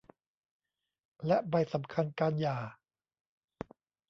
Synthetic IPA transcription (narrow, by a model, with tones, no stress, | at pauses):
lɛ˦˥ʔba˧jsa˩˦mkʰa˧nkaː˧njaː˨˩